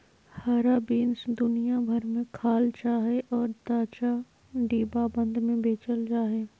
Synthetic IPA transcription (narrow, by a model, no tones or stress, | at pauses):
haːɾabiːnsd̪ʊnijabʱɐɾmẽkʰaːlt͡ʃaːɦeʔɔːɾt̪aːt͡ʃa | ɖiːbabə̃nd̪ʱmẽbeːt͡ʃəld͡ʒaːɦeː